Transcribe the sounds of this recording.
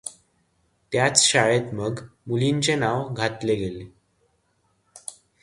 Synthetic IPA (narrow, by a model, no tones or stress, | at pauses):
t̪jat͡sɕaɭet̪məɡmuliɲt͡ɕenaʋɡʱat̪leɡele